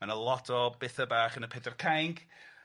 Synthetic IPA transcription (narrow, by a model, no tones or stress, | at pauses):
manəlˠɔtʰɔbɪθəbaːχənəpʰɛdərkʰajŋɡ